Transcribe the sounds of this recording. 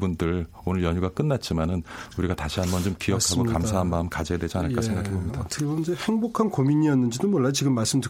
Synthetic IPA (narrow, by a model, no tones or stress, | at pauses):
bundɯɭ | onɯɭjʌɲuɡak͈ɯnːat̚t͡ɕ͈imanɯnuɾiɡataɕʰiɦambʌnt͡ɕomkijʌkʰaɡokamsʰaɦanmaɯmkad͡ʑeadwed͡ʑianɯɭk͈asʰeŋɡakkʰebomɲidatʰɯɡʰeɡond͡ʑehe̞ŋbokʰankomiɲijʌnːɯnd͡ʑidomwʌɭːajot͡ɕiɡɯmːaɭs͈ɯmdʰɯ